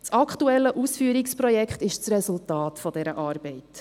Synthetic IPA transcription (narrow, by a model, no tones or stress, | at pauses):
t͡sɑkχtuɛlːəʔusfyːəɾiksprɔjɛkχtɪʃt͡srɛsultɑːtfɔdɛɾəʔɑːɾb̥ɛɪt